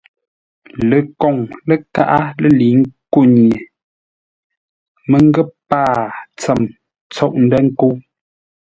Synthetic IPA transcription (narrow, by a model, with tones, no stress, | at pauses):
lə˨kɔ˨ŋlə˦ka̰˦ʔa˦lə˦li˨˦ŋ˦ku˦˨ɲje˨ | mə˦˨ŋ˦ɡə˦˨paː˦˨t͡sə˨m | t͡sɔ˦˨ʔn̩˦də˦ŋ̩˦ko˦